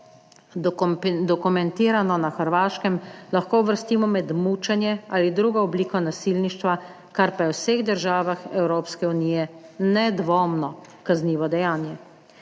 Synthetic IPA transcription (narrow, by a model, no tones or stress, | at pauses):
d̪ɔkumɛnt̪iːɾanɔnaxəɾʋaːʃkɛmlaxkoːuʋəɾst̪iːmɔmɛd̪muːt͡ʃɛnjɛa̰ːlid̪ɾuːɡɔɔbliːkɔnasilniʃt̪ʋa | kaɾpajɛwseɣd̪əɾʒaːʋaxɛwɾoːpskɛuniːjɛnɛd̪ʋoːmnɔ | kazniːʋɔd̪ɛjaːnjɛ